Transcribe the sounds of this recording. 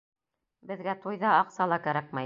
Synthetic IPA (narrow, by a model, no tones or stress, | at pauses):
bɘ̆ðɡæt̪ujðɑɑqsɑlˠɑkæɾæk̚mæ